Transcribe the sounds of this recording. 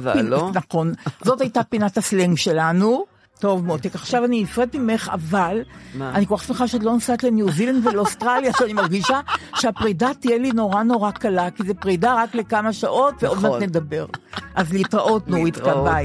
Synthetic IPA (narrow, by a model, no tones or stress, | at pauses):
pnaχo̞nzo̞tajtapinatasleŋɡʃe̞lanu | to̞vmotekaχʃavaninifʁed̚mime̞χa̰valanikoaχsmeχaʃeat̬lo̞nosatlenjuzilandveleostʁaljaʃeanimaʁɡiʃaʃeapʁidatijelino̞ʁano̞ʁakalakizepʁidaʁaklekamaʃaʔo̞tveodvanedabe̞ʁʔazleitʁaʔotnuitkabaj